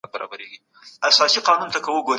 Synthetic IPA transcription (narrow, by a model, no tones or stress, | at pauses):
baɾɑ̰baɾeɡi | asɑsiqɑnunt̪akawəɡoɾ